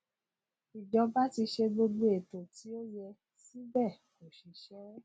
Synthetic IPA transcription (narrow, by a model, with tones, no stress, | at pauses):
i˨d͡ʒɔ̃˨˧ba˦ti˧ʃe˧ɡ͡bo˧du˦e˨to˨ti˨˦o˦jɛ˧ | si˦bɛ˦˨ | ko˨ʃi˨ʃɛ˦ɾɛ˦